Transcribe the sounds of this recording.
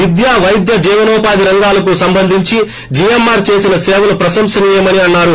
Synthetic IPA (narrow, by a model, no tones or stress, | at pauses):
ʋid̪jaːʋɐjd̪jɐd͡ʒiːʋɐnɔːpaːd̪iɾɐŋɡaːlɐkusɐmbɐnd̪ʱiɲt͡ʃi | d͡ʒijemːaːɾt͡ʃe̞ːsinɐseːʋulɐpɾɐsɐmsɐniːjɐmɐniɐnːaːɾu